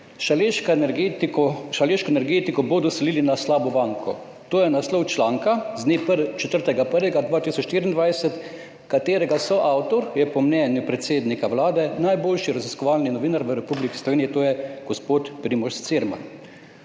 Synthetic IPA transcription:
ʃlek̪ː | ʃaleːʃkɔɛnɛɾɡeːt̪ikɔbod̪ɔsɛliːlinaslaːbɔbaːŋkʰɔ̰ | t̪oːjɛnaslɔwt͡ʃlaːŋkaznept͡ʃɛt̪əɾt̪ɛɡapəɾʋɛɡad̪ʋaːt̪isɔt͡ʃːʃt̪iːɾind̪ʋajsɛt̪ | kat̪eːɾɛɡasɔʔawt̪ɔɾjɛpɔmnɛːnjupɾɛt̪seːd̪nikawlaːd̪ɛnajboːlʃiɾaziskɔʋaːlninɔʋiːnaɾʋəɾɛpublikislɔʋeːnijɛt̪oːjɛɡ̥ɔspoːt̪pɾimɔʃst̪seɾma̰n

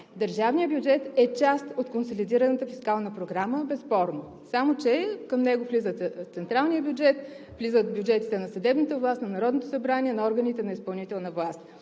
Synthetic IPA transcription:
d̪əɾʒavnijəbjud͡ʒɛt̪ɛt͡ʃast̪ot̪konsolʲid̪iɾənət̪əfiskalˠnəpɾoɡɾaməbɛsːpɔɾno | samot͡ʃɛkəmnɛɡoflizət̪t̪sɛnt̪ɾalˠnijəbjud͡ʒɛt̪ | flizət̪̚bʲjud͡ʒɛt̪i̥t̪ɛnɐsɐd̪ɛbnət̪əvlˠast̪nɐnɐɾɔd̪not̪osɐbɾaniɛnɐɔɾɡənit̪ɛnɐispɐlˠnit̪ɛlˠnəvlˠast̪

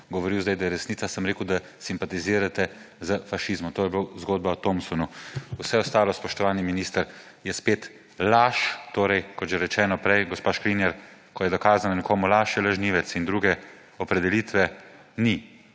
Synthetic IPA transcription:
ɡɔʋɔɾiwzd̪ajd̪ajɛɾɛsnit̪sasəmɾeːkuwd̪a | simpat̪iziːɾat̪ɛ | zəfaʃizmɔt̪oːjɛblozɡoːd̪̚baɔt̪omsɔnuusɛɔst̪aːlɔspɔʃt̪ɔʋaːniminist̪əɾ | jɛspeːt̪ | laʃt̪oːɾɛjkɔt̪ʒɛɾɛt͡ʃɛːnɔpɾɛjɡɔspaːʃkɾinjɛɾ | kɔjɛd̪ɔkaːzananɛkʰoːmulaʃjɛlaʒniːʋɛt̪sind̪ɾuːɡɛ | ɔpɾɛd̪ɛliːt̪ʋɛ | ni

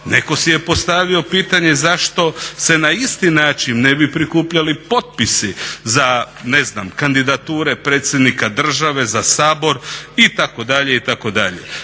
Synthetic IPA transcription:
nekosije̞po̞st̪aʋio̞piːt̪aɲe̞zaʃt̪o̞se̞naist̪inaːt͡ʃinnebipɾikuːpʎalipo̞t̪̚pisiza | ne̞znaːmkand̪id̪at̪uːɾe̞pɾeːt̪sʲje̞d̪nikad̪r̩ʒaʋe̞zasaːbo̞ɾit̪ako̞d̪aʎe̞it̪ako̞d̪aʎḛ

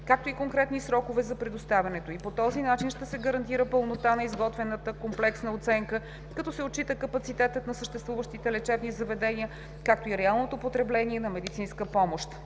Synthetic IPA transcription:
kak̚t̪oikoŋkɾɛt̪nisɾɔkovɛzɐpɾɛd̪ost̪avʲjɐnɛt̪oipot̪ɔzinat͡ʃinʃt̪ɛsɛɡəɾɐnt̪iɾəpəlˠnot̪anɐizɡɔt̪vɛnət̪əkomplɛksnəot̪sɛŋkə | kɐt̪ɔsɛot̚t͡ʃːit̪əkəpɐt̪sit̪ɛt̪ət̪nɐsəʃt̪ɛst̪vuvəʃt̪it̪ɛlɛt͡ʃɛbnizɐvɛd̪ɛniə | kak̚t̪oiɾɛalˠnot̪opot̪ɾɛblɛniɛnɐmɛd̪it̪sinskəpɔmoʃt̪

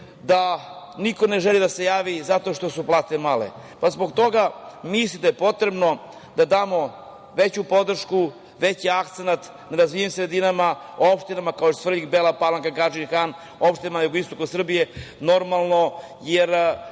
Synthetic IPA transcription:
d̪a | niko̞ne̞ʒelid̪ase̞jaːʋizat̪o̞ʃt̪o̞suplˠaːt̪emalḛ | pazboɡt̪o̞ɡamislid̪ajepo̞t̪ɾe̞bno̞ | d̪ad̪aːmo̞ | ʋet͡ɕupo̞d̪r̩ʃku | ʋet͡ɕiakt̪senat̪ | naɾazʋijimsɾed̪inamaoopʃt̪inamakaoost̪r̩ʎikbelˠapalaŋkaɡaʒinxan | opʃt̪inamajuɡoist̪o̞kosr̩bije | no̞ɾmalˠno̞ | jeɾ

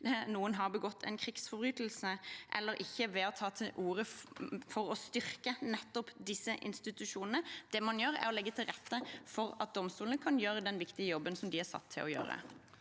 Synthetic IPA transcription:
nuːənɦɑʁbəɡɔt̪ʰːɛ̰nkʰʁɪɡsfɔbyːt̪l̩səʔɛ̰lːəɾʔɪçːəʋɛɔt̪ʰɑːt̪ʰɪlʔuːʁəfɔɾɔst̪ʏʁkənɛt̪ːɔpd̪ɪsːəʔɪ̰nst̪ɪt̪ʉʃuːnənəd̪̥ɛmɑnjøːɾɛ̰ɾɔlɛɡːət̪ʰɪlʁɛt̪ːəfɔɾɑt̪̚d̪ɔmst̪uːlnəkʰɑnjøːɾəd̪ɛnʋɪkt̪ɪəjɔbːənsɔmd̪ɪæsɑ̰t̪ʰːɪ̰lɔjø̰ːɾə̰

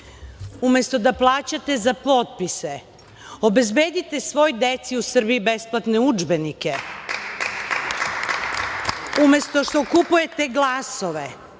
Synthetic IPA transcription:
ume̞st̪o̞d̪aplˠaːt͡ɕat̪e̞zapo̞t̪̚pise | obe̞zbe̞ːd̪it̪e̞sʋo̞jd̪et̪siusr̩biibesplˠat̪neud͡ʒbenike̞ | ume̞st̪o̞ʃt̪o̞kupuje̞t̪e̞ɡlˠaso̞ʋe

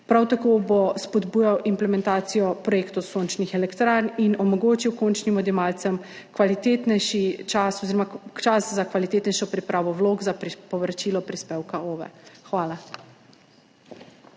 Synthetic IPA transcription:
pɾawt̪akoːbospɔd̪buːjawʔimplɛmɛnt̪aːt̪sijɔpɾɔjeːkt̪ɔsoːnt͡ʃnixɛlɛkt̪ɾaːɾninɔmɔɡoːt͡ʃiwkont͡ʃnimɔd̪jɛmalt̪sɛm | kʋalit̪et̪nɛʃit͡ʃasɔziːɾɔmat͡ʃaszakʋalit̪eːt̪nɛjʃɔpɾipɾaːʋɔwloːɡzapɾipɔʋɾat͡ʃilɔpɾispeːwkaoːʋɛ̰xʋaːla

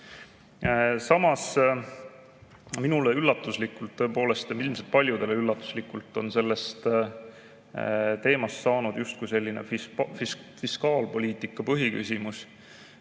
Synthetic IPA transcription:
sɑmɑs | minuleylːɑt̪ːˑuslikːˑult̪ːɤ̞epo̞ːle̞st̪ilmselt̪̚pɑlʲjud̪̥e̞leylːɑt̪ːˑu̥slikːˑult̪ːˑo̞nse̞lːe̞st̪ | t̪e̞ːmɑst̪sɑːnud̪̥just̪̚kujse̞lːine̞̰ffifiskɑːlpo̞lʲiːt̪ikːˑɑpɤɦiky̰sʲimus

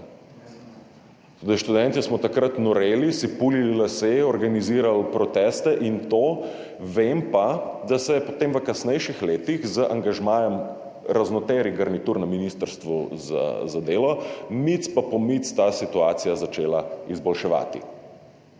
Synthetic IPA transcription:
t̪od̪ajʃt̪ud̪ɛnt̪ismɔt̪akɾat̪nɔɾeːlisipulililaseɔɾɡaniziːɾalpɾɔt̪ɛst̪ɛʔint̪oː | ʋempad̪asɛjɛpot̪emʋəkasnɛjʃixleːt̪ixzəʔaŋɡaʒmaːjɛm | ɾaznɔt̪eːɾiɡaɾnit̪uɾnɛminist̪əɾst̪ʋuza̰zad̪eːlɔmit̪spapɔmit̪st̪aːsit̪uaːt̪sijazat͡ʃeːlaizbɔlʃɛʋa̰ːt̪ḭ

